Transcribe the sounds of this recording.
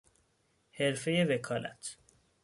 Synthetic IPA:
he̞ɾfe̞jevekʰɒːlæ̰t̪ʰ

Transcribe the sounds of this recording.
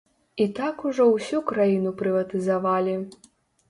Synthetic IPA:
it̪akuʐɔwsʲukɾajinupɾɨvɐt̪ɨzavalʲi

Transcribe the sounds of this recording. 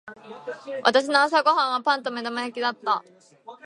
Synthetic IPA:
βʔa̰t̪aɕ̬inoãs̬aɡo̞ɦãɰ̃βapãnt̪o̞me̞d̪amajakʲid̪at̪ːa

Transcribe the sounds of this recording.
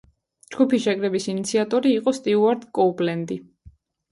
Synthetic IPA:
d͡ʒɡ̥upʰisʃɛkʼɾɛbisinit̪sʰiat̪ʼɔɾiːqʼɔst̪ʼiuaɾd̪kʼɔubʼlɛnd̪i

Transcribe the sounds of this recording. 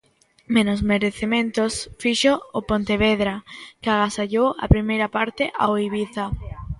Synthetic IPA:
menozmeɾeθemẽnt̪osfiʃoːpont̪eβ̞eðɾakɪaɣasaʎowa̰pɾimejɾapaɾt̪eʔa̰oiβiθa

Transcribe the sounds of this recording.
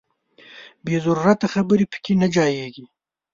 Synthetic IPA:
bezaɾuɾat̪axabəɾipə̥kenad͡ʒɑːjeɡi

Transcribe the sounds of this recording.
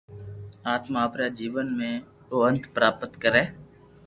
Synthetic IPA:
aːt̪maːpɾaːd͡ʒiːʋənmẽː | oːənt̪pəɾaːpət̪kəɾɛː

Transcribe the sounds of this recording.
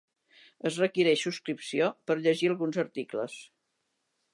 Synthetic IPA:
əzrəkiɾɛʃsuskɾipsiopəɾʎəʒiəlˠɣunzəɾt̪iklə̰s

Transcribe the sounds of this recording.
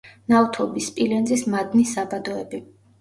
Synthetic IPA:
naut̪ʰɔbispʼilɛnzismad̪nisabad̪ɔɛbi

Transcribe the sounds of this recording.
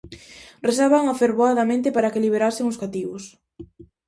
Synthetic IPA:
resaβaŋafeɾβoaðɐmẽnt̪ɪpaɾɐkeliβ̞eɾasɪŋʊskat̪iβʊs

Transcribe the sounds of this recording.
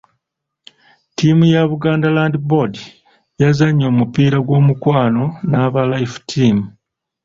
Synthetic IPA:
timujaβuɡaːndalaːndibodi | jazaɲːo̞ːmupiːɾaɡwo̞ːmukwaːno̞naβalajfu̥tʰiːmu

